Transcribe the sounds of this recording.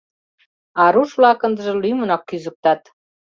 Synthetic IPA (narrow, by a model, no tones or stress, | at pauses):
ɑɾuʃβlɑkənd̪ə̆ʒĕlyjmənɑkːyzək̚t̪ɑt̪